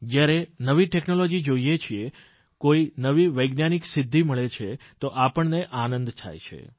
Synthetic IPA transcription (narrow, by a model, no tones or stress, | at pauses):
d͡ʒjaɾenəʋiʈeknolod͡ʒid͡ʒoijet͡ʃʰie | koinəʋiʋəjɡnaniksɪd̪ʱːiməɭet͡ʃʰet̪oʔapəɳneʔanə̃nd̪t̪ʰa̰jt͡ʃʰḛ